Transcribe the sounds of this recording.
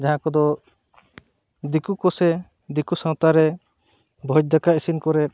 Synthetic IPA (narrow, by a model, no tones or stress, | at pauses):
d͡ʒaɦãkɔd̪ɔ | d̪ikukɔsɛ | d̪ikusɔ̃ŋt̪aɾɛ | bʱɔd͡ʒ̚d̪akaisinkɔɾɛ